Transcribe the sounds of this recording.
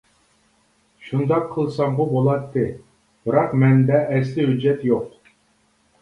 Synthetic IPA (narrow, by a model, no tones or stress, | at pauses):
ʃund̪ɑqʰːəlˠsɑɴʁʊbolˠɑt̪ːɨ | b̥ɨɾɑqmɛnd̪ɛʔɛslɪɦyd͡ʒːɛt̪joq